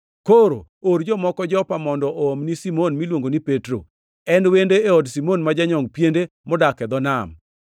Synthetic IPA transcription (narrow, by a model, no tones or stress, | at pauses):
koɾo̰ | oɾd͡ʒɔmɔkɔd͡ʒɔpamɔndɔʔomnisimonmilwoŋɡonipetɾo | ɛnwendeːɔdsimonmad͡ʒaɲɔŋɡpjende | mɔdakɛd̪ɔnam